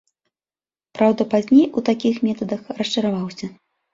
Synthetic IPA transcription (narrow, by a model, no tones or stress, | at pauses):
pɾawd̪ɐpazʲnʲejut̪akʲixmʲɛt̪ɐd̪ɐxrɐʂt͡ʂɐɾavawsʲɐ